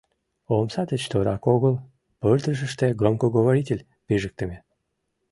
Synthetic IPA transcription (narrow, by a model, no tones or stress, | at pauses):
omsɑt̪ət͡ɕt̪oɾɑkoɣəlˠ | pørd̪rəʃ̬ə̆ʃt̪ĕɡromkoɡoβoɾʲitʲelʲ | peʒək̚t̪ə̆me